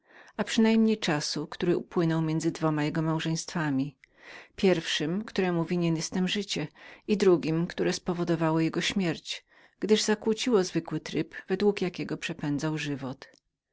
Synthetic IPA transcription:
apʂɘnajmɲejt͡ʂasukt̪uɾɘupwɘnɔwmʲjɛnd̪zɘd̪vɔmajɛɡɔmawʐɛ̃j̃st̪famʲi | pʲjɛɾfʂɘmkt̪uɾɛmuvʲiɲɛnɛst̪ɛmʐɘt͡ɕɛid̪ɾuɡʲimkt̪uɾɛspɔvɔd̪ɔvawɔjɛɡɔɕmʲjɛɾt͡ɕ | ɡ̥d̪ɘʐzakwut͡ɕiwɔzvɘkwɘt̪ɾɘpvɛd̪wukjakʲɛɡɔpʂɛpɛnd̪zawʐɘvɔt̪

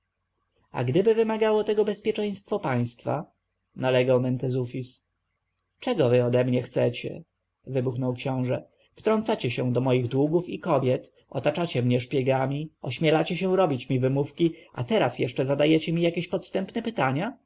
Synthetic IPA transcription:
a̰ɡd̪ɘbɘvɘmaɡawɔt̪ɛɡɔbɛspʲjɛt͡ʂɛj̃st̪fɔpaj̃st̪fa̰ | nalɛɡawmɛnt̪ɛzufʲis | t͡ʂɛɡɔvɘɔd̪ɛmɲɛxt̪sɛt͡ɕɛ̰ | vɘbuxnɔwkɕɔ̃w̃ʐɛ | ft̪ɾɔnt̪sat͡ɕɛɕɛ̃d̪ɔmɔjiɣd̪wuɡufikɔbʲjɛt̪ | ɔ̰t̪at͡ʂat͡ɕɛmɲɛʂpʲjɛɡamʲiɔɕmʲjɛlat͡ɕɛɕɛ̃ɾɔbʲit͡ɕmʲivɘmufkʲia̰t̪ɛɾasjɛʂt͡ʂɛzad̪ajɛt͡ɕɛmʲijakʲeɕpɔt̪st̪ɛmpnɛpɘt̪aɲa

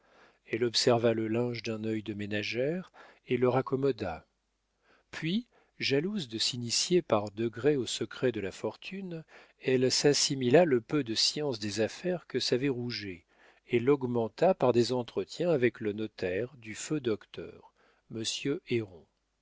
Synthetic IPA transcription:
ɛlɔpsɛʁvaləlɛ̃ʒd̪ɛ̃nœjd̪əmenaʒɛʁeləʁakɔmɔd̪a | pɥi | ʒaluzd̪əsinisjepaʁd̪əɡʁɛosəkχɛd̪əlafɔʁt̪ʰyn | ɛlsasimilaləpød̪əsjɑ̃sd̪ezafɛʁkəsavɛʁuʒe | elɔɡmɑ̃t̪apaʁd̪ezɑ̃t̪χət̪jɛ̃avɛklənɔt̪ɛʁd̪yfød̪ɔkt̪œ̰ːʁ | məsjøeʁɔ̃

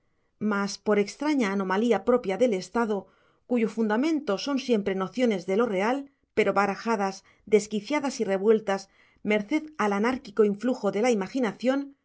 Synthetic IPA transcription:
maspo̞ɾe̞kst̪ɾaɲaːno̞maliapɾo̞pjaðe̞le̞st̪aðo̞ | kuʝo̞fund̪amẽ̞nt̪o̞so̞nsje̞mpɾe̞no̞θjo̞ne̞zðe̞lo̞re̞al | pe̞ɾo̞βaɾaxaðaz | d̪e̞skiθjaðasire̞βwe̞lt̪as | me̞ɾθe̞ðalanaɾkiko̞iɱfluxo̞ðe̞laimaxinaθjo̞n

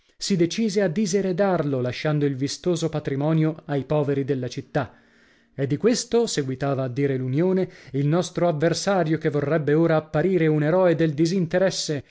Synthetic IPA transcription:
sid̪et͡ʃiːzead̪ːizeɾed̪arlolaʃːand̪oilvist̪oːzopat̪ɾimɔːnjoajpɔːveɾid̪elːat͡ʃit̪ːa | ed̪ːikwest̪oseɡwit̪aːvaːd̪ːiːɾelunjoːneilnɔst̪ɾoavːersaːɾjokevːorːɛbːeoːɾaːpːaɾiːɾeuneɾɔːed̪eld̪izint̪eɾɛsːe

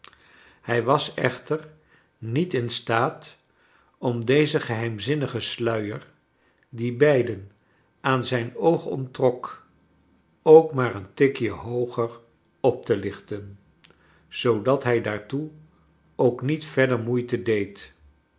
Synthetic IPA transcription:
hɛjʋɑsɛ̰χtəɹ | nitɪnstaːt | ɔmdejzəχəɦɛjmzɪnəχəslœɥəɹ | dibɛjdən | ʔaːnzɛjnowχɔ̰ntrɔk | owkmaːɹəntɪkjəɦowχəɹ | ɔp̚təlɪχtən | z̥owdɑtɦɛjdaːɹtu | owknitfɛdəɹmujtədejt

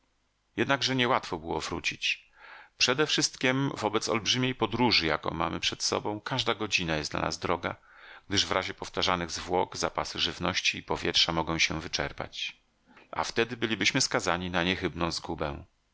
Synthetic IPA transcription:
jɛd̪naɡʐɛɲɛwat̪fɔbɘwɔvɾṵt͡ɕit͡ɕ | pʂɛd̪ɛfʂɘst̪kʲimvɔbɛt̪sɔ̰lbʐɘmʲejpɔd̪ɾuʐɘja̰kɔ̰̃w̃ma̰mɘpʂɛt̪sɔ̰bɔ̃w̃kaʐd̪aɡɔd͡ʑinajɛsd̪la̰na̰zd̪ɾɔɡa̰ | ɡ̥̚d̪ɘʐvɾʔaʑɛpɔft̪aʐanɘɣzvwɔɡzapasɘʐɘvnɔɕt͡ɕiːpɔvʲjɛtʂamɔɡɔ̃w̃ɕɛvɘt͡ʂɛ̰ɾpa̰t͡ɕ | ʔa̰ft̪ɛd̪ɘbɘlʲibɘɕmɘskazaɲinaɲɛxɘbnɔ̃w̃zɡubɛ̰̃

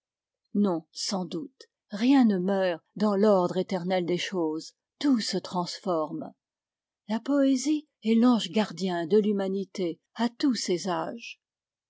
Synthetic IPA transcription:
nɔ̃sɑ̃d̪ut̪ | ʁjɛ̃nəmœːʁd̪ɑ̃lɔʁd̪ʁet̪ɛʁnɛld̪eʃoːz | t̪usət̪χɑ̃sfɔʁm | lapɔezi | ɛlɑ̃ʒɡaʁd̪jɛ̃d̪əlymanit̪e | at̪usezaːʒ

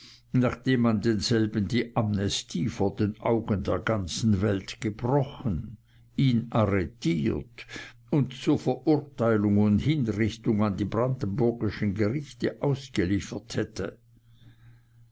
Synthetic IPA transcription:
naːχd̥eːmːandeːnz̥ɛlbən̩diːʔamnɛstʰiːfoːɐdeːnʔaʊɡəndeːɐɡant͡sn̩vɛltɡ̥əb̥ʁɔχən | iːnʔaʁetʰiːɐt | ʊntt͡suːɐfɛɐʔʊɐtaɪlʊŋʊndhɪnʁɪçtʊŋandiːbʁandn̩bʊɐɡɪʃənɡəʁɪçtəʔaʊsɡ̥əliːfɐthɛtʰə

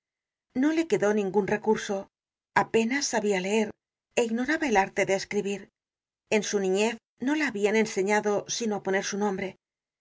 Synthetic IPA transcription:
no̞le̞ke̞ðo̞nĩŋɡunre̞kuɾso̞ | ape̞nasːaβiale̞e̞ɾ | e̞iɣno̞ɾaβaelaɾt̪e̞ðe̞ːskɾiβiɾ | e̞nsunĩɲe̞θ | no̞laːβiane̞nse̞ɲaðo̞sinoapo̞ne̞ɾsunõ̞mbɾe̞

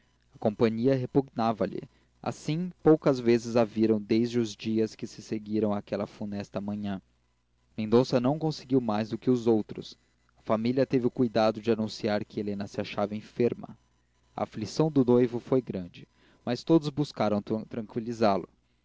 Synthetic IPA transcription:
ɐkõpɐ̃ɲiɐɦepuɡnavɐlɪ̰ | a̰sĩpowkɐzvezɪzaviɾɐ̃w̃d̪ejzd͡ʒɪʊzd͡ʒiɐskɪsɪseɡiɾɐ̃w̃akɛlɐfunɛst̪ɐmɐ̃ɲɐ̃ | mẽd̪õsɐnɐ̃w̃kõsɪɡiwmajzd̪ʊkɪʊzowt̪ɾʊ̰s | ɐfamiliɐt̪evɪʊkujd̪ad̪ʊd͡ʒɪanũsiaɾkɪelẽnɐsɪaʃavɐẽfeɾmɐ̰ | ɐ̰aflisɐ̃w̃d̪ʊnojvʊfojɡɾɐ̃d͡ʒɪ | mɐst̪od̪ʊzbuskaɾɐ̃w̪̃t̪ɾɐ̃ŋkwilizalʊ

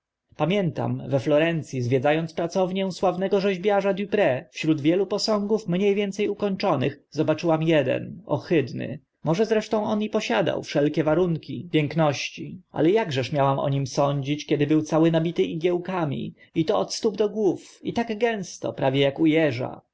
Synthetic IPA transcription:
pamʲjɛnt̪a̰mvɛflɔɾɛnt̪sʲjizvʲjɛd̪zajɔnt̪spɾat̪sɔvɲɛ̃swavnɛɡɔʐɛʑbjaʐad̪jupɾɛfɕɾud̪vʲjɛlupɔsɔ̃ŋɡufmɲejvʲjɛnt̪sɛjukɔɲt͡ʂɔnɘx | zɔbat͡ʂɘwamjɛd̪ɛ̰nɔ̰xɘd̪nɘ̰ | mɔʐɛzɾɛʂt̪ɔ̃w̃ɔnjipɔɕad̪a̰wfʂɛlkʲɛvaɾuŋkʲipʲjɛŋknɔɕt͡ɕiʔa̰lɛjaɡʐɛʂmʲjawamʔɔ̰ɲimsɔɲd͡ʑit͡ɕkʲɛd̪ɘbɘwt̪sawɘnabʲit̪ɘʔiɡʲjɛwkamʲḭ | it̪ɔɔt̪st̪ubd̪ɔɡwufit̪aɡɡɛ̃w̃st̪ɔ̰pɾavʲjɛjakujɛʐa̰

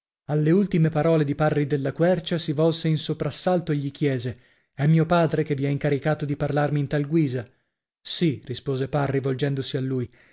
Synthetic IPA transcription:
alːeult̪imepaɾɔːled̪iparːid̪elːakwɛrt͡ʃasivɔlseinsopɾasːalt̪oeʎːikjɛːze | ɛmːiːopaːd̪ɾekevːiɛiŋkaɾikaːt̪od̪iparlarmiːnt̪alɡwiːza | sirispoːzeparːivold͡ʒɛnd̪osialːuːj

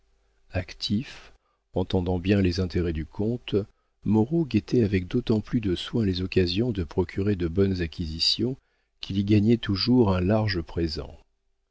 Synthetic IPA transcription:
akt̪ʰif | ɑ̃t̪ɑ̃d̪ɑ̃bjɛ̃lezɛ̃t̪ʰeʁɛd̪ykʰɔ̃t̪ | mɔʁoɡet̪ɛavɛk̚d̪ot̪ɑ̃plyd̪əswɛ̃lezɔkazjɔ̃d̪əpχɔkʲʰyʁed̪əbɔnzakʲizisjɔ̃ | kʰʲiliɡaɲɛt̪uʒuʁɛ̃laʁʒəpχezɑ̰̃

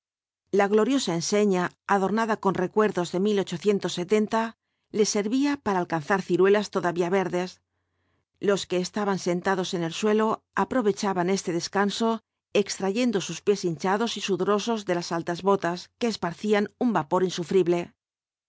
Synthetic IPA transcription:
laɣlo̞ɾjo̞sae̞nse̞ɲaːðo̞ɾnaðako̞nre̞kwe̞ɾðo̞zðe̞milo̞t͡ʃo̞θje̞nt̪o̞sːe̞t̪e̞nt̪a | le̞se̞ɾβiapaɾaːlkanθaɾθiɾwe̞last̪o̞ðaβiaβe̞ɾðe̞s | lo̞ske̞ːst̪aβanse̞nt̪aðo̞se̞ne̞lswe̞lo̞ | apɾo̞βe̞t͡ʃaβane̞st̪e̞ðe̞skanso̞ | e̞kst̪ɾaʝe̞nd̪o̞suspje̞sint͡ʃaðo̞sisuðɾo̞so̞zðe̞lasalt̪azβo̞t̪aske̞ːspaɾθianumbapo̞ɾinsufɾiβle̞

